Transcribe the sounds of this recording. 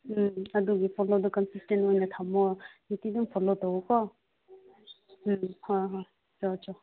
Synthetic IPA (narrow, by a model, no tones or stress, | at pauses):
ɐduɡipʰɔlodɔkɔnsistentojnatʰamɔnitidumpʰɔlotɔwɔkɔ | mhɔjɦɔj | t͡ʃɔt͡ʃɔ